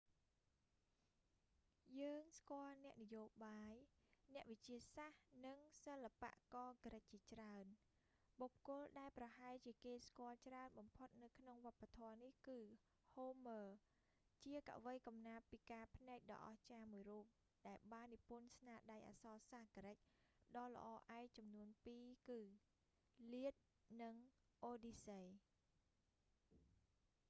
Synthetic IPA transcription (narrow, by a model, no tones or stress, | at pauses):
jəːŋskŏəlnɛ̆əʔnɨjoːɓaːjnɛ̆əʔʋɨc̚t͡ɕiəsahnɨŋsəlːapa̰ʔkɑːkəɾəc̚t͡ɕiət͡ɕraən | ɓop̚kːʊ̆əlɗaɛlprɑɦaɛlt͡ɕiəkeːskŏəlt͡ɕraənɓɑmpʰot̪̚nɨwkʰnoŋʋŏəpːat̪ʰɔənihkɨː | hoːməː | t͡ɕiəka̰ʔʋəjkɑmnaːpːiːkaːpʰnaɛk̚ɗɑ̰ʔɑ̰ht͡ɕaːmuəjruːp̚ | ɗaɛlɓaːnːipuənsnaːɗajʔa̰ːsɑːsaːkaɾəc̚ɗɑːlə̰̆ʔɑːʔaɛc̚t͡ɕɑmnuənpiːkɨː | liət̪̚ | nɨŋ | ʔoːɗiːsəː